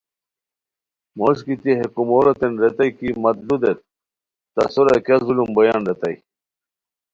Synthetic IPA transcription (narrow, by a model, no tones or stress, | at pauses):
moɕkit̪iɦekumoɾot̪enɾet̪ɐjkimɐt̪lud̪et̪̚ː | ɐ̰suɾakjazulumbojanɾet̪ɐ̰j